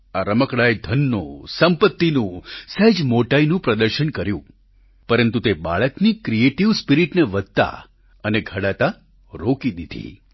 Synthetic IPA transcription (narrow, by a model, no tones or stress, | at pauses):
aɾəməkɭaed̪ʱənːo̰səmpət̪ːinũsɛd͡ʒmoʈainũpɾəd̪əɾʃənkəɾjũ | pəɾənt̪ut̪eba̰ɭəknikɾieʈiʋspiɾiʈneʋəd̪̚ʱt̪a̰ | əneɡʱəɽat̪a | ɾokid̪id̪ʱḭ